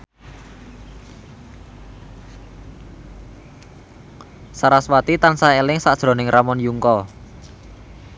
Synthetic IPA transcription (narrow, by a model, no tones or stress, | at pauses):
saɾaswat̪it̪ansaelɪŋsad̥ʒ̥ɾo̤nɪŋrʔamɔnjuŋkɔ